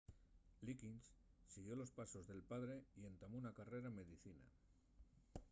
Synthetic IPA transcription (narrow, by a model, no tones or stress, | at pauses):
likinssiɣ̞jo̞lo̞spaso̞zðe̞lpaðɾe̞ie̞nt̪amounakare̞ɾaemːe̞ðiθina̰